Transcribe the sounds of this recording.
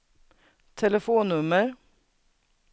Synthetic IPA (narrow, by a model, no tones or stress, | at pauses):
t̪ʰɛləfuːnːʉməɾ